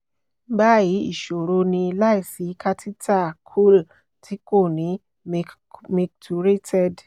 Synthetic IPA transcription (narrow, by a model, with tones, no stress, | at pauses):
ba˦ji˨˦ḭ˦˨ʃo˨ɾo˧nĩ˧la˦i˦˨si˨˦ka˦ti˦tʰa˦˨kʰu˦˨l | tʰi˦ko˦˨nĩ˨˦ | me˧k̚tu˧ɾe˦tʰɛ˦˨d